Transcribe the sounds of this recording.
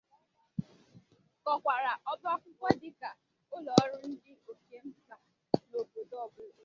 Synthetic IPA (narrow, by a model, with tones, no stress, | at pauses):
kɔ˨kʷa˨ɾa˨ʔɔ˦ba˦kʷʊ˦kʷɔ˦dɪ˦ka˨ | ʊ˦lɔ˨˦ɾʊ˦n̩˦dɪ˦o˨ke˦m̩˦ka˨ | no˨bo˨dɔ˦˨bʊ˦˨˦